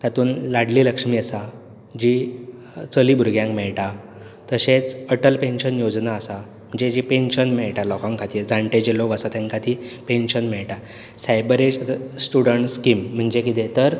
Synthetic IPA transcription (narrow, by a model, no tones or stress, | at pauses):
t̪at̪uːnlaɽliːləkʂmiːəsa | d͡ʑi | t͡səliːbʱuɾɡjãŋkmɛɭʈa | t̪əɕet͡səʈəlpenɕənjod͡znaːsa | m̤əɳd͡ʑed͡ʑipenɕənmɛɭʈalɔkãŋkʰat̪iːd͡zaɳʈed͡ʑilokəsat̪ãŋkat̪ipenɕənmɛɭʈa | sajbəɾed͡ʑsʈuɽəɳʈskim̤ːəɳd͡ʑekit̪̬et̪əɾ